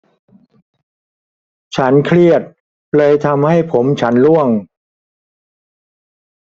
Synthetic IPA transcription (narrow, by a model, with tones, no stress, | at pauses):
t͡ɕʰa˦˥nkʰɾi˥˩ət̪̚ | lɤː˧jt̪ʰa˧mha˥˩jpʰo˩˦mt͡ɕʰa˦˥nlu˥˩əŋ